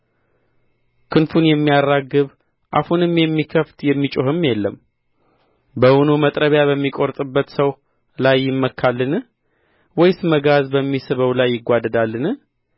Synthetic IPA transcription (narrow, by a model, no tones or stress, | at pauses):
kʰɨnfunjɛmːijarːaɡɨβ | ʔahunɨmjɛmːikʰəft̪jɛmːit͡ʃʼoɦɨmːjɛlːəm | bəʔonumət̪ʼɾəβjaβəmːikʼoɾt̪ʼɨbːət̪səw | lajːɪmːəkʰːalːɨn | wɔjsməɡazbəmːisɨβəwlajːɪɡʷad̪əd̪alːɨn